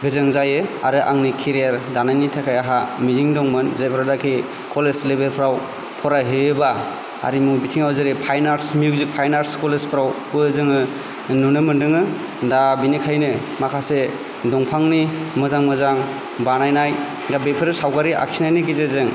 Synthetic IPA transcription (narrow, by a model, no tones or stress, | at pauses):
ɡɯzɯŋzajɯa̰ɾɯʔa̰ŋnikʰiɾeɾdanajnitʰakʰajaɦamiziŋdɔŋmɯnzajpʰɾadakʰi | kɔlezlebeɾpʰɾaw | pʰɔɾaɦɯɯba | a̰ɾimubitʰiŋawzɯɾipʰajnaɾsmjuzik̚pʰajnaɾskɔlespʰɾawpɯzɯŋɯ | nunɯmɯndɯŋɯ | dabinikʰajnɯ | makʰase | dɔŋpʰaŋnimɯzaŋmɯzaŋ | banajnaj | ɡabepʰɯɾɯsawɡaɾiʔa̰kʰinajnɯɡizezɯŋ